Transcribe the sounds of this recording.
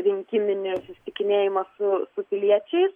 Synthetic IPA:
ɾʲɪŋʲkʲɪmʲɪnʲɪsʊsʲɪ̥t̪ʲɪkʲɪnʲeːjɪmɐsʊsʊpʲɪlʲiɛt͡ʃʲɛɪs

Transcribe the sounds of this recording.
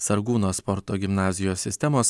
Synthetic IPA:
sɐɾɡuːnoːspɔɾt̪oːɡʲɪmnɑːzʲɪjoːsʲɪsʲt̪ʲɛmoːs

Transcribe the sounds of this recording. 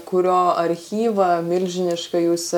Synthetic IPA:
kʊɾʲoːɐɾʲxʲiːʋɐmʲɪlʲʒʲɪnʲɪʃkɐjuːsʲ

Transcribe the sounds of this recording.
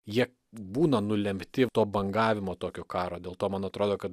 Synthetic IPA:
jiɛ | buːnɐnʊlʲɛmʲt̪ʲɪt̪oːbɐŋɡɑːʋʲɪmoːt̪oːkʲoːkɑːɾoːd̪ʲeːlˠt̪oːmɐnɐt̪ɾoːd̪oːkɐt̪

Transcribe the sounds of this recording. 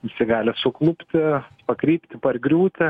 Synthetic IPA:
ɪsʲɪɡɑːlʲɪsʊklˠʊpʲt̪ʲɪpɐkɾʲiːpʲt̪ʲɪpɐrɡɾʲuːt̪ʲɪ

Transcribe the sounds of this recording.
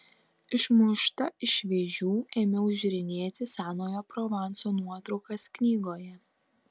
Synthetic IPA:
ɪʃmʊʃt̪ɐɪʃʲʋʲeːʒʲuːeːmʲɛʊʒʲɾʲɪnʲeːt̪ʲɪsɑːnoːjoːpɾɔʋɑˑnsoːnuɔt̪ɾɔʊkɐsknʲiːɡoːjɛ

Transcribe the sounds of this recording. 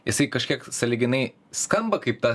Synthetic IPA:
jɪsɐɪkɐʃʲkʲiɛksɐlʲɪɡʲɪnɐɪ | skɐmbɐkɐɪpt̪ɑ

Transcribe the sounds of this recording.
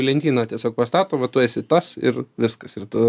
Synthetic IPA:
lʲɛnʲt̪ʲiːnɑːtʲiɛsʲoːk̚pɐst̪ɑːt̪oːʋɐt̪ʊɛsʲɪt̪ɐsɪ̰rʋʲɪskɐsɪrt̪ʊ

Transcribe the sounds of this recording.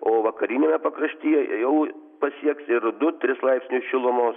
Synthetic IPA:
oːʋɐkɐɾʲinʲeːmʲɛpɐkɾɐʃʲt̪ʲiːjɛjɛʊ | pɐsʲiɛksɪɾd̪ʊt̪ʲɾʲɪslˠɐɪpʲsʲnʲʊʃʲɪlˠʊmoːs

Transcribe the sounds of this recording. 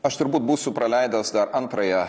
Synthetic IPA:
ɐʃt̪ʊɾbuːt̪buːsʲʊpɾɐlʲɛɪd̪ɐsd̪ɐɾʔɐnt̪ɾɐjɛ

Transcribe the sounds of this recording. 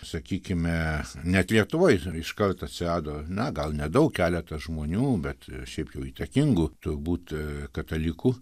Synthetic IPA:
sɐkʲiːkʲɪmʲɛnʲɛt̪lʲiɛt̪ʊʋoːjɪʃkɐrt̪ɐt̪ʲsʲɪrɑːd̪oːnʲɛɡɐlˠnʲɛd̪ɐʊkkʲæːlʲɛt̪ɐʒmoːnʲuːbʲɛt̪ʃʲɛɪpjɛʊiːt̪ɐkʲɪŋɡʊt̪ʊrbuːt̪kɐt̪ɐlʲɪkuː

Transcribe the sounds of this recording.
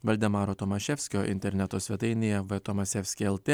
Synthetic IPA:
ʋɐlʲd̪ʲɛmɑːɾoːt̪ɔmɐʃʲɛfʲsʲkʲoːʔɪ̰nʲt̪ʲɛɾʲnʲɛt̪oːsʲʋʲɛt̪ɐɪnʲejɛʋɛt̪ɔmɐsʲɛfʲsʲkʲeɛlˠt̪ʲe

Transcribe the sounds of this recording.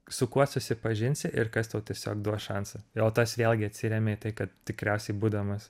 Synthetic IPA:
sʊkuɔsʊsʲɪpɐʒʲɪnʲsʲɪʔɪrkɐst̪ɐʊt̪ʲiɛsʲoːkd̪uɔʃɐnsɐoːt̪oːsʋʲeːlʲɡʲɪɐt̪ʲsʲɪɾʲɛmʲeiːt̪ɐɪkɐt̪̚t̪ʲɪkɾʲɛʊsʲɛɪbuːd̪ɐmɐs

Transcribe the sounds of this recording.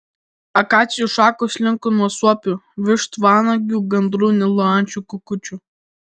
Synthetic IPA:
ɐkɑːt͡s̪ʲɪjuʃɑːkoʃʲlʲɪŋkʊnuɔsuɔpʲu | ʋʲɪʃt̪ʋɑːnɐɡʲuːɡɐnd̪ɾuːnʲɪlˠɔɑnʲt͡ʃʲukʊkʊt͡ʃʲu

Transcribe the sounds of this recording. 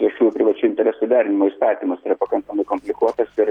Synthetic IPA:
ɾʲiɛʃʲuːjʊpʲɾʲɪʋɐt͡ʃʲʊɪnʲt̪ʲɛɾʲɛsʊd̪ʲæːɾʲɪnʲɪmoːiːst̪ɑːt̪ʲiːmɐsiːɾɐpɐkɐŋkɐmɐɪkoːmʲpʲlʲɪkuɔt̪ɐsɪɾ

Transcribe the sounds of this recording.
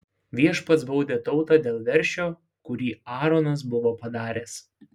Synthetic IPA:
ʋʲiɛʃpɐt̪sbɔʊd̪ʲeːt̪ɒʊt̪ɑːd̪ʲeːlˠʋʲɛɾʲʃʲoː | kʊɾʲiːɑːɾonɐs̬bʊʋoːpɐd̪ɑːɾʲeːs

